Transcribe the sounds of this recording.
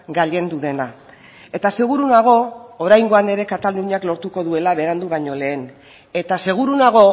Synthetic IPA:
ɡaʎe̞nd̪uðe̞na | e̞t̪ase̞ɣ̞uɾunaɣ̞o̞ːɾajŋɡo̞ane̞ɾe̞kat̪aluɲaklo̞ɾt̪uko̞ðue̞laβe̞ɾand̪uβaɲo̞le̞ːn | e̞t̪ase̞ɣ̞uɾunaɣ̞o̞

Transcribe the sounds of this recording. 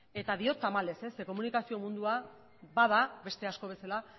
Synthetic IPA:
e̞t̪aðio̞t̪amale̞se̞seko̞munikasio̞mũnd̪ua | bað̞abe̞st̪e̞asko̞β̞e̞sala

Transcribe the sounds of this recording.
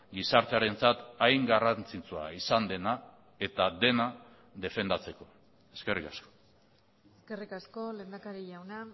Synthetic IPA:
ɡisaɾt̪e̞aɾe̞nt͡sat̪ajŋɡarant͡sit͡suaisand̪e̞na | e̞t̪ad̪e̞na | ðe̞fe̞nd̪at͡se̞ko̞̥ | e̞ske̞rikasko̞̥ | eske̞rikasko̞le̞nd̪akaɾiʎawna

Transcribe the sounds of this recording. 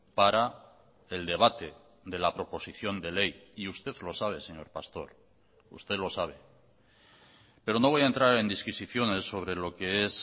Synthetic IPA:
paɾa | e̞ld̪e̞β̞at̪e̞ | ðe̞lapɾo̞po̞siθjo̞nd̪e̞le̞jiust̪e̞ðlo̞saβ̞e̞se̞ɲo̞ɾpast̪o̞̰ɾ | ṵst̪eðlo̞saβ̞e̞ | pe̞ɾo̞noβo̞jaent̪ɾaɾe̞nd̪iskisiθjo̞ne̞sːo̞β̞ɾe̞lo̞ke̞es

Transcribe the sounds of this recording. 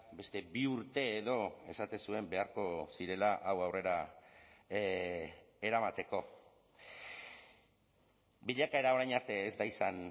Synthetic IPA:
be̞st̪e̞biuɾt̪e̞ːðo̞e̞sat̪e̞nsue̞mbe̞aɾko̞siɾe̞laʔawawre̞ɾa | e̞ɾamat̪e̞ko̞ | biʎakae̞ɾao̞ɾajɲaɾt̪e̞ːzd̪aisan

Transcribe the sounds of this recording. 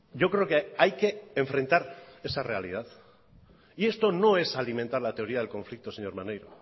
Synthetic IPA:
ɟ͡ʝo̞kɾe̞okeajke̞ːɱfɾe̞nt̪aɾe̞sare̞alḭð̞að | ie̞st̪o̞no̞e̞salimẽ̞nt̪aɾlat̪e̞o̞ɾiaðelko̞ɱflik̚t̪o̞seɲo̞ɾmanejɾo

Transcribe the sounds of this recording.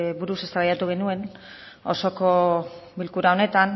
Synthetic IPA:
buɾuse̞st̪aβajat̪uɣ̞e̞nue̞n | o̞so̞ko̞bilkuɾao̞ne̞t̪an

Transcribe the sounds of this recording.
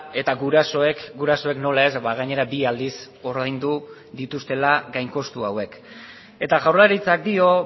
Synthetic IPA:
e̞t̪aɣuɾaso̞ekɡuɾaso̞e̞kno̞lae̞zβaɣaɲe̞ɾabiald̪is | o̞ɾðajnd̪u | ðit̪ust̪e̞laɡajŋko̞st̪uawe̞k | e̞t̪aɣawrlaɾit͡sak̚d̪io̞

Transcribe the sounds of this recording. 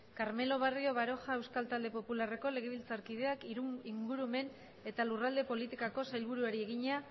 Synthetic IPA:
kaɾme̞lo̞β̞ario̞β̞aɾo̞xae̞wskalt̪ald̪e̞po̞pulare̞ko̞le̞ɣ̞e̞β̞ilt͡saɾkið̞e̞akiɾuiŋɡuɾume̞n | e̞t̪alurald̪e̞po̞lit̪ikako̞sajlβ̞uɾuaɾieɣiɲa

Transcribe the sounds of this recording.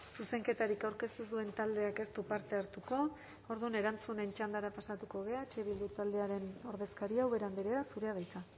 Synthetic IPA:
suse̞ŋke̞t̪aɾikawɾke̞st̪usd̪ue̞nt̪ald̪e̞ake̞st̪upaɾt̪e̞aɾt̪uko̞ | oɾðune̞ɾant͡sune̞nt͡ʃand̪aɾapasat̪uko̞ɣ̞e̞aet͡ʃe̞βild̪ut̪ald̪e̞aɾe̞no̞ɾðe̞skaɾiawβe̞ɾand̪iɾe̞asuɾeað̞ajk̪a

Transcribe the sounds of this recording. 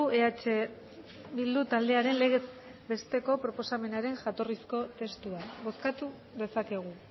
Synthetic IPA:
ueat͡ʃe | βild̪ut̪ald̪e̞aɾe̞nle̞ɣe | be̞st̪e̞ko̞pɾo̞po̞same̞naɾe̞ŋʝat̪o̞risko̞t̪e̞st̪uaβo̞skat̪u | ðe̞sake̞ɣ̞u

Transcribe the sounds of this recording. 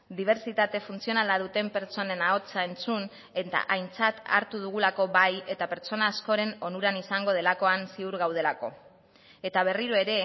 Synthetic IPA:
d̪iβ̞e̞ɾt͡sit̪at̪e̞funt͡sio̞nalað̞ut̪e̞mpe̞ɾt͡so̞ne̞nao̞t͡sae̞nt͡sun | e̞t̪a̰ʔajnt͡sat̪a̰ɾt̪uð̞uɣ̞ulako̞βaje̞t̪ape̞ɾt͡so̞naːsko̞ɾe̞no̞nuɾanisaŋɡo̞ð̞e̞lako̞ansiuɾɣawð̞e̞lako̞̰ | e̞t̪aβ̞e̞riɾoe̞ɾe̞

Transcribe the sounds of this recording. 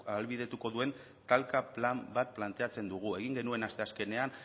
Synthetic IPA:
alβið̞e̞t̪uko̞ðue̞n | t̪alkaplambat̪̚plant̪e̞at͡se̞nd̪uɣ̞ue̞ɣ̞iŋɡe̞nue̞nast̪e̞aske̞ne̞an

